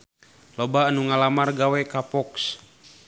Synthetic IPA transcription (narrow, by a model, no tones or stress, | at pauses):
lɔbaːnuŋalamarɡawɛkapɔks